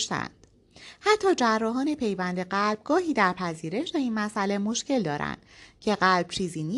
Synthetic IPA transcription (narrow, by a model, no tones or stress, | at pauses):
ʃt̪æ̰nd̪̥ | hæt̪ʰːɒːd͡ʒærːɒːɦɒːne̞pʰe̞jvænd̪e̞ɢælb̥̚ɡɒːɦiːd̪æɾpʰæziːɾe̞ʃd̪eiːnmæsʔæle̞mo̞ʃce̞ld̪ɒːɾæ̰nd̪̥cʰe̞ɣælb̥t͡ʃʰiːziːniː